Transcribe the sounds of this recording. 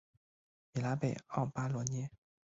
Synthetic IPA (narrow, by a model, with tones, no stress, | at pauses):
mi˨˩la˧˥pe˨˩ɪɑ˥˩ʊpa˥lwɔ˧˥nɛ˥